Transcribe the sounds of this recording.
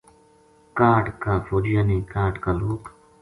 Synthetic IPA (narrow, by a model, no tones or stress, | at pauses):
kaːʈkaːfoːɾɪjaːnẽːkaːʈkaːloːk